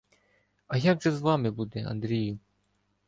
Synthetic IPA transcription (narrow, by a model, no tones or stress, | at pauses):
ɐjaɡʐɛzʋɑmɪbud̪ɛɐ̰nd̪ɾʲijʊ